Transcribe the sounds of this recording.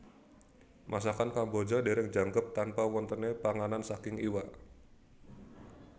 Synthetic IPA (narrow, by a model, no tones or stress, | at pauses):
mʔasakankambod͡ʒadeɾɛŋd͡ʒaŋkəp̚t̪anpawɔnt̪ənepaŋanansakɪŋiwa